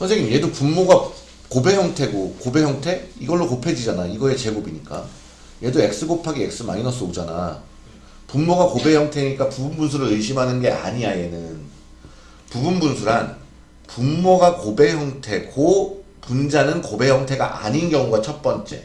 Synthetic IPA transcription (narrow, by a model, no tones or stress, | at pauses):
sʰʌnsʰeɡimje̞dopumːoɡa | kobe̞çjʌŋtʰe̞ɡokobe̞çjʌŋtʰe̞iɡʌɭːokopʰe̞d͡ʑid͡ʑanaiɡʌet͡ɕe̞ɡobiɲik͈a̰ | je̞doe̞k̚s͈ɯɡopʰaɡiek̚s͈ɯma̰inʌs͈ɯod͡ʑana̰ | pumːoɡakobe̞çjʌŋtʰeɲik͈apubunbuns̬ʰuɾɯɾɯɭɕ̬ʰimɦanɯnɡe̞a̰ɲiae̞nɯn | pubunbunsʰuɾan | pumːoɡakobe̞çjʌŋtʰe̞ɡo | pund͡ʑanɯnkobe̞çjʌŋtʰe̞ɡa̰ʔa̰ɲinɡjʌŋuɡat͡ɕʰʌt̚p͈ʌnt͡ɕ͈e̞̰